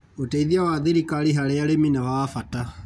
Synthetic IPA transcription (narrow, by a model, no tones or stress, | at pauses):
oteiðiawaðeɾikaɾiɦaɾeaɾeminawaːfata